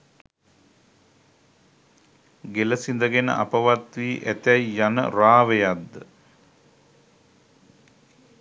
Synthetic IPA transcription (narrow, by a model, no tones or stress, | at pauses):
ɡeləsind̪əɡenə̰ʔa̰pəʋat̪ʋiːʔæt̪æjːanə̰raːʋejad̪ːə